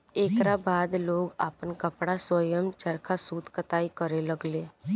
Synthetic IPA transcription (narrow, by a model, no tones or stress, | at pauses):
eːkɾabaːd̪loːɡa̰ːpənkəpɽaswəjəmt͡ʃəɾkʰasuːt̪kət̪aːikəɾeləɡleː